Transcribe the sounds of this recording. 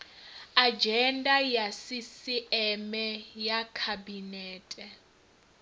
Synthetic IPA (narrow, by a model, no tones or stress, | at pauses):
ad͡ʒɛndajasisiɛmɛjakʰabinɛːtʼɛ